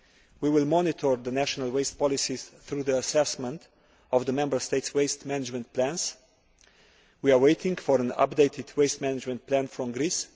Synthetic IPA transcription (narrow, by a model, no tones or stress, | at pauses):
wiwɪlˠmɔnɪt̪ʰɔɹðənæʃɔnəlˠweɪst̚pɔlɪsiz̥θɹuːðiəsɛsmə̃nt | ɔvðəmɛ̃mbə˞st̪eɪtsweɪstmænɪd͡ʒmə̃nt̚plæ̃ns | wiaweɪtɪ̃ŋɡfɔɾə̃na̰p̚deɪtʰɪdweɪstmænɪd͡ʒmə̃nt̚pʰlæ̃nfɹɔ̃mɡɾis